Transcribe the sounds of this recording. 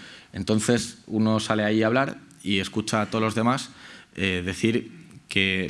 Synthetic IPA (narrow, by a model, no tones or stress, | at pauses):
e̞nt̪o̞n̟θe̞suno̞sale̞aiaβ̞laɾ | ie̞skut͡ʃat̪olo̞zðe̞maseðe̞θiɾke̞